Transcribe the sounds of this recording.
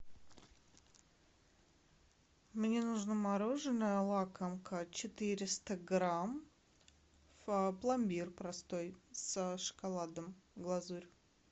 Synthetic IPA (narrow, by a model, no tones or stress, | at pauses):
mnʲenuʐnəmaɾoʐɨnːəjəlˠakəmkət͡ɕɪt̪ɨɾʲɪst̪əɡɾam | vəplˠɐmʲbʲirpɾɐst̪o̞jsəʂɨ̥kalˠad̪əmɡlˠɐzuɾʲ